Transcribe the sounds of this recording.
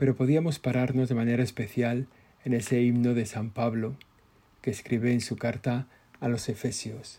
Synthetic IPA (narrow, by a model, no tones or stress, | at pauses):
pe̞ɾo̞po̞ð̞iamo̞spaɾaɾno̞zðemane̞ɾaespe̞θjal | e̞ne̞se̞imno̞ðe̞sampaβlo | keːskɾiβeːnsukaɾt̪aː | lo̞se̞fe̞sjos